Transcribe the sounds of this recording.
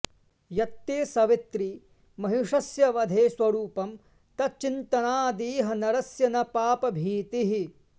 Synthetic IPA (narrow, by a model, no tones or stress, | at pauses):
jɐt̪ːeːsɐʋit̪ɾi | mɐɦiʂɐsjɐʋɐd̪ʱeːsʋɐɾuːpɐm | t̪ɐt͡ʃint̪ɐnaːd̪iːɦɐnɐɾɐsjɐnɐpaːpɐbʱiːt̪iɦi